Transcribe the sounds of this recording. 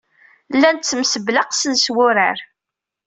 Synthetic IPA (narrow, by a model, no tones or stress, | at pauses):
lːænt̪t͡sːəmsəbləqsəðswʊɾə̰ɾ